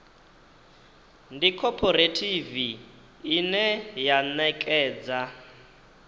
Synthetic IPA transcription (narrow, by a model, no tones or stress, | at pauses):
ndikʰɔpʰɔɾetʰiviː | nɛjanɛkʼɛːd͡za